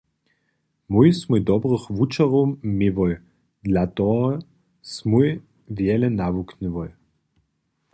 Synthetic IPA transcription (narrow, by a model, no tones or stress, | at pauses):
mujsmujd̪ɔbʁəxvut͡ʃaʁɔmiʋɔj | d̪lʲat̪ɔɦɔ | smuj | vjɛlɛnavuknʲivɔj